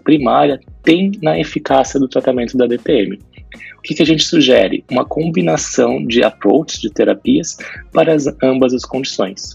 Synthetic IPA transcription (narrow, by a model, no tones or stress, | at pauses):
pɾimaɾiɐt̪ẽj̃nɐefikasiɐd̪ʊt̪ɾat̪amẽnt̪ʊd̪ɐd̪et̪eẽmɪ | ʊkɪkɪaʒẽnt͡ʃɪ̥suʒɛɾɪ̰ũmɐkʰõbinasɐ̃w̃d͡ʒɪa̰pɾo̰wt͡ʃɪ̥zd͡ʒɪt̪eɾapiɐspaɾɐzɐ̃mbɐzɐskõd͡ʒisõj̃s